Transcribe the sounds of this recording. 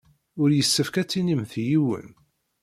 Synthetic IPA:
ʊɾjəsːəfkæt͡sːinimθjiwə̰n

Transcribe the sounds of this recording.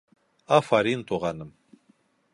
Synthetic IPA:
afaɾiːnt̪ʼuʁanɨm

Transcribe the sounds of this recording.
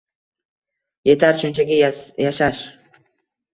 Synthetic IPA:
je̞t̪ʰaɾʃʊnt͡ʃʰaɡʲajaʃaʃ

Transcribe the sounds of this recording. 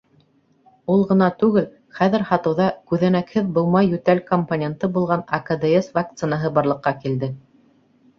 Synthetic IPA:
ulˠʁɤ̆nɑt̪ʉɡɘl | χæðɘ̆ɾhɑt̪ɤ̆wðɑkʉðænækhɘðbŏw̪ˠmɑjːʉt̪ælkomponʲent̪ɤbulˠʁɑnɐkad̪eesvak̚t̪sɨnaɦɤbɑɾlˠɤ̆qːɑkild̪ɘ

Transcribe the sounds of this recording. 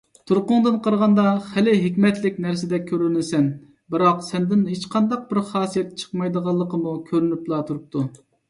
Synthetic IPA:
t̪ʰuɾqʊŋd̪ɨnqʰəɾʁɑnd̪ɑχælɪɦɪkʲmɛt̪lɪkʲnæɾsɪd̪ɛkʲʰːøɾynɪsɛn | bɨɾɑqsɛnd̪ɪnɦet͡ʃqʰɑnd̪ɑq̚bɪɾχɑːsijɛt̪̚t͡ʃʰə̥qmɑjd̪əʁɑlˠːəqəmukʲʰøɾynyplˠɑt̪ʰuɾup̚t̪ʰu

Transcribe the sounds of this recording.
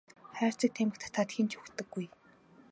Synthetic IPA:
χæːr̥t͡sə̆k̚t̪ʰemɘ̆kt̪ʰt̪ʰaːt̪xint͡ɕʰɵxt̪ɘ̆ɡːuj

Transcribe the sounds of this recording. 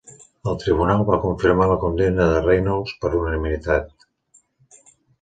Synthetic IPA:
əlˠt̪ɾiβ̞unalˠβakuɱfiɾmaləkund̪ɛnəðərejnolˠspəɾlunənimit̪at̪̚

